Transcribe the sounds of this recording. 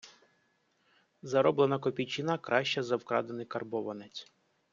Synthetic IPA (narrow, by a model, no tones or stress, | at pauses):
zɐɾɔblenɐkɔpʲijt͡ʃɪnɑkɾɑʃt͡ʃɛzɐwkɾɑ̰d̪enɪkɐrbɔʋɐnɛt͡sʲ